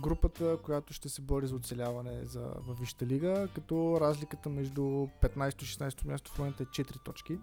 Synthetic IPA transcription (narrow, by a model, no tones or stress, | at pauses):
ɡɾupət̪əkojat̪ʊʃt̪ɛsɛbɔɾizɐot̪sɛlʲavɐnɛ̰zɐ̰vɐfviʃt̪əliɡəkɐt̪ɔɾazlikət̪əmɛʒd̪upɛt̪najst̪oiʃɛ̥snajst̪omʲjast̪o̥fˠɔɛnt̪əɛt͡ʃɛt̪ɾit̪ɔt͡ʃki